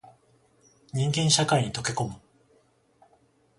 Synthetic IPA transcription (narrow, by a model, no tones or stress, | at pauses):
ɲ̟ĩŋɡẽ̞ɰ̃ɕakaiɲ̟it̪o̞ke̞ko̞mɯ̟